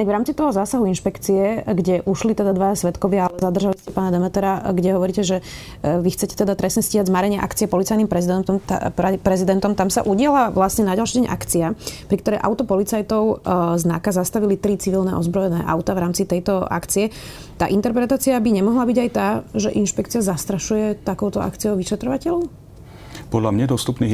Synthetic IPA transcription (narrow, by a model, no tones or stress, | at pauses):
ɲaɡʋɾaːmt͡sit̪ɔɦɔzaːsaɦuinʃpɛkt͡siɛɡɟɛʔuʃlit̪ɛd̪ad̪ʋajasʋɛt̪kɔʋɪaalɛzad̪r̩ʒaliscɛpaːnad̪ɛmɛt̪ɛɾaɡɟɛɦɔʋɔɾiːcɛʒɛ | ʋixt͡sɛcɛ̥t̪ɛd̪at̪ɾɛsɲɛsciːɦaɟzmaɾɛɲɪɛʔa̰kt͡siɛpɔlit͡sajnimpɾɛzid̪ɛnt̪ɔmt̪ɛpɾɛzid̪ɛnt̪ɔmt̪amsa̰ʔuɟɪalaʋlasɲɛnaɟalʃiːdɟɛɲʔa̰kt͡siapɾik̚t̪ɔɾɛjʔa̰ʊt̪ɔpɔlit͡sajt̪ɔʊznakazast̪aʋilit̪ɾit͡siʋilˠnɛ̰ʔɔ̰zbɾɔjɛnɛːʔa̰ʊt̪aʋɾaːmt͡sit̪ɛjt̪ɔa̰kt͡siɛ | t̪a̰ːʔint̪ɛɾpɾɛt̪aːt͡siabiɲɛmɔɦlabiɟajt̪aːʒɛʔinʃpɛkt͡siazast̪ɾaʃujɛt̪akɔʊt̪ɔʔa̰kt͡sijɔʊʋiʃɛt̪ɾɔʋacɛlɔʊ | pɔd̪lamɲɛd̪ɔst̪upniː